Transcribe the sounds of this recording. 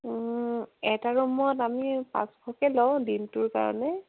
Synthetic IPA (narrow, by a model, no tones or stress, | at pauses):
ɛtaɹumɔtamipã̰sbʰʱɔkɛlɔʊ̃dintʊɹka̰ɹɔ̰nɛ